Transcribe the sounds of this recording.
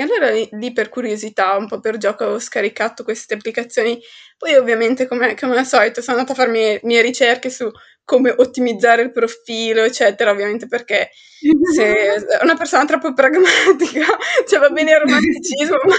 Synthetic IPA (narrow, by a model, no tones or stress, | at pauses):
ealːoːɾaliperkuɾjozit̪aumpɔperd͡ʒɔːkaoskaɾikat̪okwest̪eapːlikat̪sːjoːnipɔjovːjament̪ekomekomenasɔlit̪sonanat̪afːaɾemmieɾit͡ʃerkesu | kːomeʔot̪ːimid̪zːaːɾeilpɾofiːloet͡ʃːɛːt̪eɾaovːjament̪eperke | seunapersoːnat̪ɾɔpːopɾaɡmat̪ikat͡ʃɛvabɛːnearomant̪it͡ʃizmoa